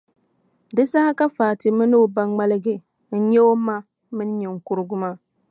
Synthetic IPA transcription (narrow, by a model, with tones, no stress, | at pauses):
dɨ˦sa˦ha˦ka˦faː˨tɨ˨mɨ˦no˦ba˦ŋ͡ma˦lɨ˦ɡɨ˨ | n̩˦ɲɛ˦o˦ma˦ | mɨ˦n˦ɲɛ˨ŋ̩˨kʊ˦ɾɨ˦ɡʊ˦maː˦˨